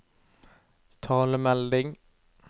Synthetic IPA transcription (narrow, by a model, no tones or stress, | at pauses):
t̪ʰɑːləmɛld̪ɪŋ